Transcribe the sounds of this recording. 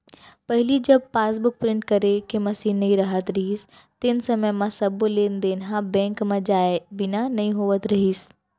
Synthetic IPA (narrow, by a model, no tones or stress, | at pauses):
pɐɦɪlid͡ʒɐb̚paːsbʊk̚pɾɪ̃ɳʈ̚kɐɾekemɐsiːnːɐĩɾɐɦət̪ɾɐɦiːs | t̪ɪnsɐməjmãsɐblẽːnd̪eːnɦãbɛ̃ːŋkmãd͡ʒaːebɪnanɐĩɦoːʋət̪ɾɐɦiːs